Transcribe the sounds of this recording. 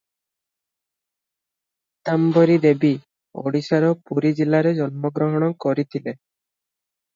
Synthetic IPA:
t̪ambɔɾid̪ebi | o̰ɽisaɾɔpuɾid͡ʒilaɾed͡ʒɔnmɔɡɾɔɦɔɽ̃ɔkɔɾit̪ʰile

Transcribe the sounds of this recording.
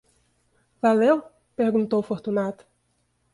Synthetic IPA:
valew | peɾɡũnt̪owfoɾt̪unat̪ʊ̥

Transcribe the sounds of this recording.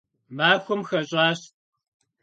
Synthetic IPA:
maːxʷʊmxɐɕʼaːɕ

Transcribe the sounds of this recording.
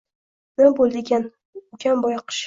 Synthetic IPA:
nanbolˠd̪ɪɡʲan | ʊkʲʰambɒjqʰɨ̥ʃ

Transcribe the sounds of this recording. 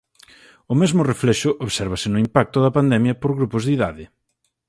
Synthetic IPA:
ʊmezmʊreflɛʃʊʔoβsɛɾβ̞ɐsɪnʊimpak̚t̪ʊðɐpand̪ɛmjɐpoɾɣɾupʊzðiðaðɪ

